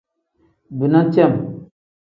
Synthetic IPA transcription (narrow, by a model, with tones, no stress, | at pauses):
bi˨na˦t͡ʃɛ˦˨m